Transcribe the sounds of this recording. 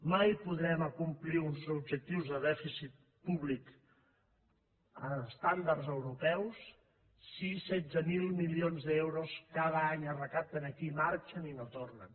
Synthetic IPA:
majpuðɾɛməkumpliunzub̚ʒək̚t̪iwzðəðɛfisit̪̚ | puβlik | əst̪and̪aɾzəwɾupɛwsː | isɛd̪zəmilˠmilionzðɛwɾoskað̞əaɲərəkap̚t̪ənəkimaɾt͡ʃəninot̪ornən

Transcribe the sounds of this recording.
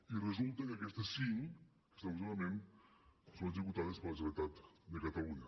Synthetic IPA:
irəzulˠt̪əkəakɛst̪əsːiŋ | kə̥st̪as̬olamen | sonət̪̬ɾiput̪aðəspələsɾət̪at̪d̪əkət̪aluɲə

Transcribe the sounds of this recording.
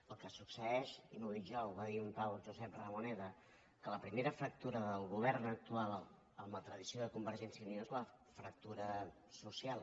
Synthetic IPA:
əlˠkəsuksəɛʃimuðiʒɔuβaðiumpawʒuzɛp̚rəmunɛðə | kələpɾimeɾəfɾək̚t̪uɾəðəlˠɣuβ̞ɛrnək̚t̪ualˠ | əmlət̪ɾəðisioðəkumbəɾʒɛnsjəuniozlə | fɾək̚t̪uɾə | susialˠ

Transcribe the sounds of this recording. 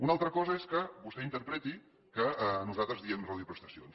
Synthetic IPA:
unalˠt̪ɾəkɔzəeskəβust̪ɛint̪əɾpɾɛt̪i | kənuzat̪ɾəzðiəmraðiupɾəst̪ə̥sio̰ns

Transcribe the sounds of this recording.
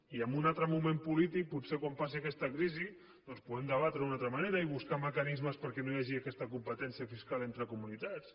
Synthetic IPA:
iəmbunat̪ɾəmumẽmpulit̪ik̚putsekwampas̬iəkɛst̪əkɾizi | d̪ɔnspuðɛmd̪əβat̪ɾəunat̪ɾəmaneɾəiβuskaməkənizməspəɾkɛnojaʒiəkɛst̪əkumpət̪ɛnsiəfiskalˠent̪ɾəkumunit̪as

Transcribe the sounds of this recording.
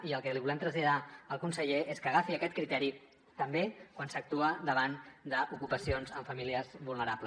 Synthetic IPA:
iəlˠkəliβulɛmt̪ɾəzʎəðaəlˠkunsəʎeʔeskəɣafiəkɛt̪̚kɾit̪ɛɾi | t̪əmbekwansək̚t̪uəd̪əβ̞and̪əʔukupəsionzəɱfəmiliəzβulnəɾapl

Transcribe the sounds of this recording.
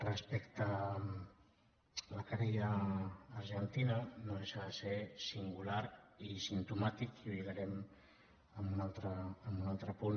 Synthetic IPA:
rəspɛkt̪ə | ləkaɾeʎaːɾʒənt̪inənoðeʃaðəsesiŋɡulaɾisint̪umat̪ikuʎuɣaɾɛm | əmbunalˠt̪ɾəːmbunalˠt̪ɾəpun

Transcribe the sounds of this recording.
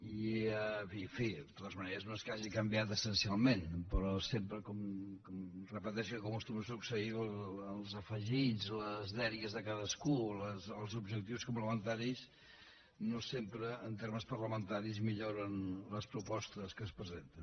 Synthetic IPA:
iəfiəɱfid̪ət̪ot̪əzməneɾəznoskaʒikəmbjat̪əsənsialˠmenpəɾɔsempɾəkɔmkɔmrəpət̪ɛʃkəkumkust̪uməsuksəiəlˠzəfəʒizləzðɛɾjəzðəkaðəskuləsəlˠzubʒək̚t̪iwskumpləmənt̪aɾis | nosempɾəːnt̪eɾməspəɾləmənt̪aɾizmiʎoɾənləspɾupɔst̪əskəspɾəzent̪ən

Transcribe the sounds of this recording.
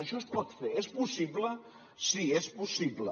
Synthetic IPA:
ɐʃɔespɔt̪feɾɛspusiβlə | siɛspusiβlə̰

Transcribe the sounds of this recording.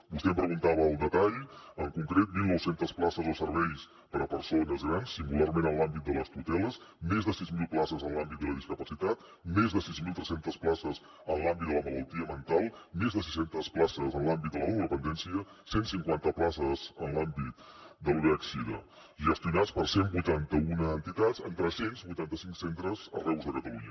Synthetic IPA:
bust̪ɛmpɾəɣunt̪aβəːlˠd̪ət̪aʎəŋkuŋkɾet̪̚milˠnɔwsent̪əsplasəzəlˠsəɾβɛjs | pəɾəpəɾsonəzɣɾansːiŋɡularmenənlambit̪̚d̪ələst̪ut̪ɛlˠəsmezðəsizmilˠplasəzənlambit̪̚d̪ələðiskəpəsit̪at̪ | mezðəsizmilˠt̪ɾɛsent̪əsplasəz | ənlambit̪̚d̪ələmələlˠt̪iəmənt̪alˠmezðəsisent̪əsplasəzənlambit̪d̪ələuəpənd̪ɛnsiə | sensiŋkwant̪əplasəzənlambit̪ | d̪əluɾɛksiðə̰ | ʒəst̪iunat͡spəɾsembujt̪ant̪əunəːnt̪it̪azə̰nt̪ɾəsenzβujt̪ant̪əsiŋksent̪ɾəzə̰rɛwzðəkət̪əluɲə

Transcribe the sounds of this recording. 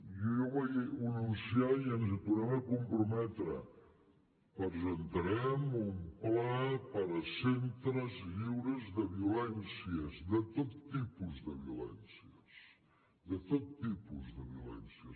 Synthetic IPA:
jojɔβajiununsjaiənzət̪uɾɛməkumpɾumɛt̪ɾə̰ | pəɾzənt̪əɾɛmumplapəɾəsent̪ɾəzʎiwɾəzðəβiulɛnsiəzðət̪ot̪ːipuzðəβiulɛ̰nsiəs | ðət̪ot̪ːipuzðəβiulɛnsiə

